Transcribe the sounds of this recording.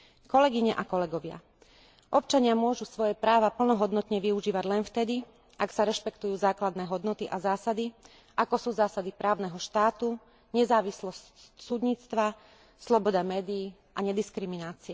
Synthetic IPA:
kɔlɛɡiɲɛʔakɔlɛɡɔʋɪa̰ | ʔɔp̚t͡ʃaɲɪamʊɔʒusʋɔjɛpɾaːʋapl̩nɔɦɔd̪nɔt̪ɲɛʋiuʒiːʋaɟlɛnft̪ɛd̪i | ʔaksaɾɛʃpɛkt̪ujuːzaːklad̪nɛːɦɔd̪nɔt̪iʔazaːsad̪i | ʔakɔsuːzaːsad̪ipɾʔaːʊnɛɦɔʃt̪aːt̪u | ɲɛzaːʋislɔssud̪ɲiːt͡st̪ʋa | slɔbɔd̪amɛːd̪iː | ʔaɲɛd̪iskɾiminaːt͡siɛ

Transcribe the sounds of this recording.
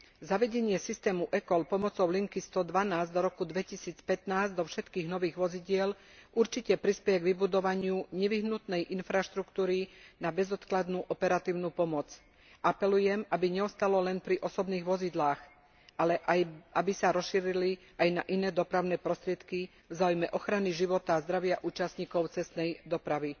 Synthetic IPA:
zaʋɛɟɛɲɪɛsist̪ɛːmuʔɛkɔlpɔmɔt͡sɔʊliŋkist̪ɔd̪ʋanaːzd̪ɔɾɔkud̪ʋɛcisiːt͡spɛt̪naːzd̪ɔfʃɛt̪kiːɣnɔʋiːɣʋɔziɟɪɛl | uɾt͡ʃicɛpɾispɛjɛɡʋibud̪ɔʋaɲɪuɲɛʋiɦnut̪nɛjʔinfɾaʃt̪ɾukt̪uːɾinabɛzɔt̪klad̪nuʔɔpɛɾat̪iːʊnupɔmɔt͡s | ʔapɛlujɛmabiɲɛɔst̪alɔlɛnpɾiʔɔsɔbniːɣʋɔzid̪laːx | alɛʔaabisaɾɔsʃiɾili | ajnaʔinɛːd̪ɔpɾaʊnɛːpɾɔst̪ɾɪɛt̪ki | vzaːujmɛʔɔxɾaniʒiʋɔt̪azd̪ɾaʋɪaʔuːt͡ʃast̪ɲiːkɔʊt͡sɛst̪nɛjd̪ɔpɾaʋi

